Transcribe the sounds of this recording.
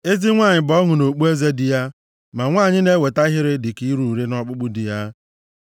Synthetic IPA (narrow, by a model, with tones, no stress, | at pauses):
e˦zi˦ŋʷa˦˨ɲɪ˨bɔ˦ŋʊ˨no˨k͡pu˦e˦ze˦dɪ˨ja˦ | ma˨ŋʷaː˦˨ɲɪ˦ne˦we˨ta˦ɦɪ˦ɾɪ˦dɪ˨ki˦ɾu˨ɾi˦nɔ˦k͡pʊ˦k͡pʊ˦dɪ˨ja˦